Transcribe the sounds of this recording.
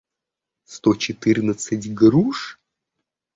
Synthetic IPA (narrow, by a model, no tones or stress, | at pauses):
st̪ot͡ɕɪt̪ɨrnət̪sɨtʲɡɾuʂ